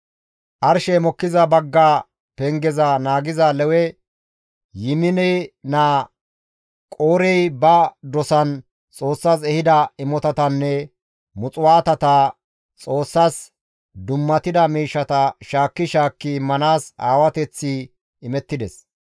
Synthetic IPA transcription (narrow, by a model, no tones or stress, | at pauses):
ʔɐɾʃɛmɔkːɪzɐbɐɡːaː | pɛŋɡɛzɐnaːɡɪzɐlɛwɛ | jɪmɪnɛjnaː | kʼoːɾɛjbɐd̪ɔsɐn | t͡sʼo̞ːsːas̬ɛhɪd̪ɐɪmɔt̪ɐt̪ɐnːɛ | mʊt͡sʼʊwaːt̪ɐt̪ɐ | t͡sʼo̞ːsːaːs | d̪ʊmːɐt̪ɪd̪ɐmiːʃːɐt̪ɐʃaːkːɪʃaːkːɪmːɐnaːsaːwɐt̪ɛt͡sːɪ | ɪmɛt̪ːɪd̪ɛs